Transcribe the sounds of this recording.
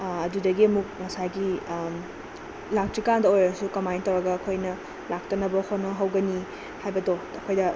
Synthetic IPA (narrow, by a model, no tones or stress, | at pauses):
ɐdudɐɡiɐmuk̚ŋɐsajɡi | lak̚tikandɐojɾɐsukɐmajntɐwɾɐɡɐːkʰojnɐ | lak̚tɐnɐbɐhotnɐɦɐwɡɐni | hajbɐdoɐkʰojdɐ